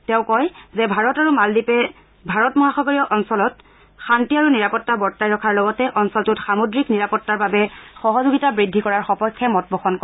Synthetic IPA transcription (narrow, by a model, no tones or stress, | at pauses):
tɛ̃ʊ̃kɔjzɛbʱaɹɔtaɹumaldipɛ | bʱaɹɔtmɔɦaxɔɡɔɹiɔʔɔnsɔlɔt | xantiaɹuniɹapɔtːabɔɹtajɹɔkʰaɹlɔɡɔtɛʔɔnsɔltutxamodɹikniɹapɔtːaɹbabɛxɔɦɔzuɡitabɹidʱːikɔɹaɹxɔpɔjkʰːɛmɔt̚bʱɔxɔnkɔ